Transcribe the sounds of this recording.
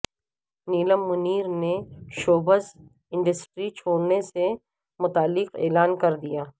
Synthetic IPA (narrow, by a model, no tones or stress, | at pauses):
niːləmːʊniːɾneʃoːbəz | ɪ̃ɳɖəsʈɾit͡ʃʰoːɽnese | mʊt̪aːlːɪqḛːlaːnkɐɾd̪ijaː